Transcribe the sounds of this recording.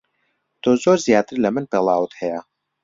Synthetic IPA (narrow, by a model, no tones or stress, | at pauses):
t̪ʰoːzoːɾzjaːt̪ɨɾlɐmɨnpelˠaːwɨt̪hɛjə